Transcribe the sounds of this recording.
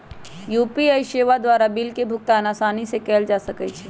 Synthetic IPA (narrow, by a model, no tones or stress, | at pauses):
juːpiajʃeːʋad̪ʋaːɾabilkebʱʊk̚t̪aɐnaːsaːnisekɛːld͡ʒaːsəkət͡ʃʰɛ